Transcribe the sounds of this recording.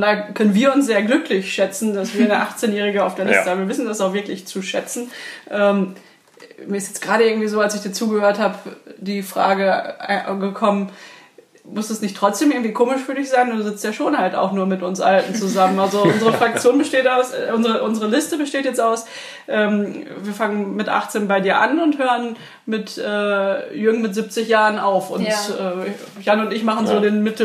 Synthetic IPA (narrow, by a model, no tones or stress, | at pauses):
nakʰœnənviːɐʊnsz̥eːɐɡlʏklɪçʃɛt͡sn̩dasviːɐnəʔaχt͡seːnjɛːʁ̞ɪɡəaʊfd̥eːɐlɪstəhaːm̩viɐvɪsn̩dasaʊxvɪɐklɪçt͡suʃɛt͡sn̩ʔɛːm | miːɐɪstjɛt͡sɡ̥ʁaːɾəʔɪɐɡŋ̩tiːzoːalsɪçd̥iːt͡suːɡəhøːɐthaːpd̥iːfʁ̥a̰ːɡə | ɡəkʰɔmən | mʊsd̥asnɪçtʁ̥ɔt͡sd̥eːmɪɐŋ̩tv̥iːkʰoːmɪʃfyːɐdɪçz̥aɪnduːzɪt͡stjaːʃoːnhalta̰ʊxnuːɐmɪtʊnsʔa̰ltn̩t͡suzamənʔalzoʔʊnzəʁəfʁ̥ak̚t͡sjoːnbəʃteːtaʊsʔʊnzəʁəʔʊnzəʁəlɪstəbəʃteːtjɛt͡staʊs | ʔɛːmviːɐfaŋənmɪtʔa̰χt͡seːnbaɪdiːɐʔa̰nʊnthøːʁən | mɪtʔɛːjʏɡŋmɪtz̥ip̚t͡sɪçjaːʁənaʊfʊ̰nnɛː | janʊntɪçmaχn̩zoːdeːnmɪtl̩